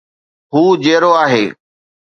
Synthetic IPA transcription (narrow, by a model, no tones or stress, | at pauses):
ɦuːd͡ʑeːɾoaːɦeː